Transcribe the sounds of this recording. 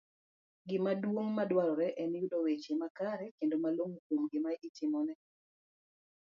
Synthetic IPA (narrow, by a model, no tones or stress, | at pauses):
ɡɪmadwoŋmadwaɾɔɾɛʔɛnjudɔwet͡ʃemakaɾɛkendomaloŋokomɡɪmaitɪmɔnɛ